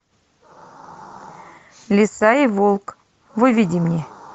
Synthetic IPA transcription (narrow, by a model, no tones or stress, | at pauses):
lʲɪsaivolˠk | vɨvʲidʲɪmnʲe